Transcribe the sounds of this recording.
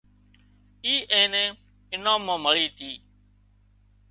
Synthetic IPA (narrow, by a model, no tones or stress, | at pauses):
iːʔẽːnẽː | ɪnãːmãːməɭiːt̪ʰiː